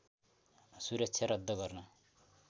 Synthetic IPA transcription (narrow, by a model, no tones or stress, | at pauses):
suɾʌksʰjaɾʌd̪ːʌɡʌrnʌ